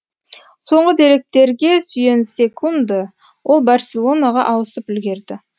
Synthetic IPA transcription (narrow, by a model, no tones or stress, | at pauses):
so̞ɴʁəd̪e̞ɾe̞k̚t̪e̞ɾɡʲe̞sʏje̞nsʲe̞kʰund̪ə | wʔo̞lˠbarsʲelˠo̞naʁɑ̰ʔɑwəsəpʏlɡʲe̞ɾd̪ɪ